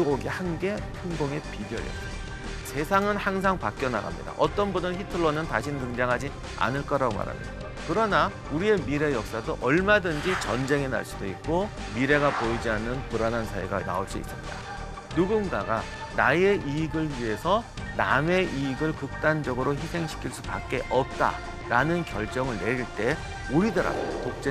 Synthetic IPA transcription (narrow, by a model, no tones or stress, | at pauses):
oɡehanɡe̞ɸɯnɡoŋe̞pibjʌ̰ɾjʌ̰s | sʰe̞sʰaŋɯnhaŋsʰaŋpak͈̚jʌna̰ɡa̰mɲḭda̰ʔʌt͈ʌnbunɯnçitʰɯɭːʌnɯntaɕʰintɯŋd͡ʑaŋɦad͡ʑi | a̰nɯɭk͈ʌɾaɡoma̰ɾa̰mɲḭda | kɯɾʌna | uɾie̞miɾe̞jʌk̚s͈adoʔʌɭmadɯnd͡ʑit͡ɕʌnd͡ʑe̞ŋe̞na̰ɭs͈udoik̚k͈o | miɾe̞ɡapoid͡ʑianːɯnpɯɾanansʰaḭɡa̰na̰oɭs͈uḭs͈ɯmɲida̰ | nuɡunɡaɡa | nae̞ʔiɡɯɭɥiɦe̞sʰʌname̞ʔiːɡɯɭkɯk̚t͈and͡ʑʌɡɯɾoçisʰe̞ŋɕʰi̥kʰiɭs͈u̥pak̚k͈e̞ʔʌp̚t͈a̰ | ɾanɯnkjʌɭt͡ɕ͈ʌŋɯɭne̞ɾiɭt͈e̞ | uɾidɯɾa̰otok̚t͡ɕ͈e